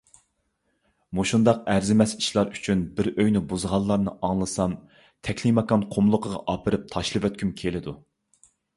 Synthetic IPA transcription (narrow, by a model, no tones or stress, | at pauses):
muʃund̪ɑqæɾzɪmɛsi̥ʃlˠɑɾyt͡ʃʰynbɪɾøjnɪbuzʁɑlˠːɑɾnɨ̰ʔɑŋlˠɨsɑm | t̪ʰɛkʲʰlimɑkɑnqʰomlˠʊqʰəʁɑ̰ʔɑpʰɨɾɨp̚t̪ʰɑʃlˠɨvøt̪̚kʲʰymkʲʰelɪd̪u